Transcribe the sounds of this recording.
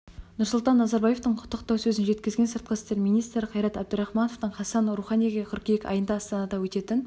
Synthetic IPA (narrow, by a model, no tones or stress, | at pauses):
nʊɾsʊlˠt̪ɑnːɑzɑɾbɑjeft̪əɴqʰʊ̥t̪ʰːəqt̪ɑwsɵzɪnʒe̞t̪kʲɪzɡʲesəɾt̪qəɪst̪e̞ɾmijnijst̪ɾɪqʰɑjɾɑt̪æb̚d̪ʊɾɑχmɑnoft̪əɴχɑsɑnɾuχɑnijɡʲeqʲʰʏɾkʲejekʲɑ̰jənd̪ɑːst̪ɑnɑd̪ɑwɵt̪e̞t̪ɪn